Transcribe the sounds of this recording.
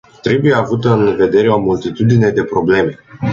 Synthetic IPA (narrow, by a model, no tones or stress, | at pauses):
t̪ɾe̞buje̞avut̪əɨnve̞d̪e̞ɾe̞o̞mult̪it̪ud̪ine̞d̪e̞pɾo̞ble̞me̞